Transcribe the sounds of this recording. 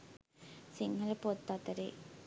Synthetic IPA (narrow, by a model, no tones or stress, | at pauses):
siŋhɐlɐpot̪ːat̪ɐɾḛː